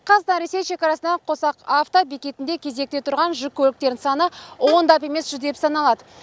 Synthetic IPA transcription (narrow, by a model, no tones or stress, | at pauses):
qʰɑznɑɾese̞jʃe̞kɑɾɑsənɑɴqʰo̞sɑqaft̪obekʲe̞t̪ɪnd̪e̞kʲʰe̞ze̞k̚t̪e̞t̪ʰʊɾʁɑnʒʏkʲːʰɵlɪkt̪e̞ɾd̪ɪnsɑnəwo̞nd̪ɑpe̞me̞sʒ̥ʏzd̪e̞psɑnɑlˠɑd̪ə